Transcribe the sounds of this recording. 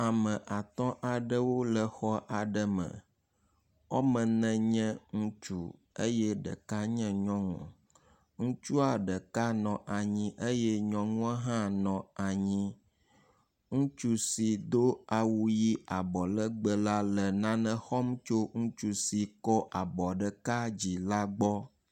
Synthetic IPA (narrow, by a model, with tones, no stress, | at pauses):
a˨mə̃˨ʔa˨t̪ɔ̃˦ʔa˨ɖə˦wo˦lə˨xɔ˦ʔa˨ɖə˦mə̰̃˨ | ɔ˦mə̃˨nɛ̃˨ɲɛ̃˦ŋũ˦t͡ʃu˨ | e˦jɛ˦ɖə̰˨ka˦ɲɛ̃˦ɲɔ̃˦ŋṵ̃˨ | ŋũ˦t͡ʃu˦a˨ɖə˨ka˦nɔ̃˨ʔa˨ɲĩ˦ʔə˦jɛ˦ɲɔ̃˨ŋũ˦a˦ɦã˦nɔ̃˨a˨ɲĩ˦ | ŋũ˦t͡ʃu˦si˨d̪o˦a˨wu˨ji˦ʔa˨bɔ˨lə˦ɡ͡bə˨la˦lə˨nã˦nə̃˦xɔ˦mt͡ʃo˦ŋũ˦t͡ʃu˦si˨kɔ˦ʔa˨bɔ˨ɖə˨ka˦d͡ʑi˨la˦ɡ͡bɔ˦